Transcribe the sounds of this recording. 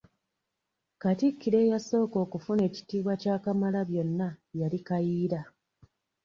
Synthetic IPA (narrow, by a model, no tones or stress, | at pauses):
katikːiɾe̞ːjaso̞ːko̞ːkufune̞ːci̥tiːβwacaːkamalaβjo̞nːajaɾikajiːɾa